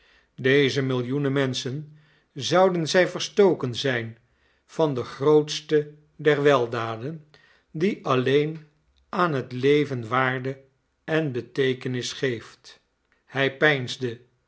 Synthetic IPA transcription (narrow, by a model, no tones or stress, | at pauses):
dejzəmɪlˠjunəmɛnsən | zʌwdənzɛjvəɹstowkənzɛjn | v̥ɑndəχrowtstə | dɛɹʋɛlˠdaːdən | diʔɑlejn | aːnɦətlejvənʋaːɹdə | ɛnbətejkənɪsχejft | hɛjpɛjnzdə